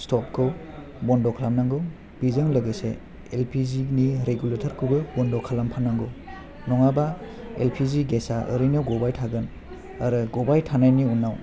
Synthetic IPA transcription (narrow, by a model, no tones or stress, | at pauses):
stɔp̚kʰɯw | bɔndɔkʰalamnaŋɡɯw | b̥izɯŋlɯɡesḛ | elpʰiziniɾeɡuletʰaɾkʰɯbɯbɔndɔkʰalampʰanaŋɡɯw | nɔŋaba | ḛlpʰiziɡesaʔɯ̰ɾinawɡɔbajtʰaɡɯn | aɾɯɡɔbajtʰanajniunːaw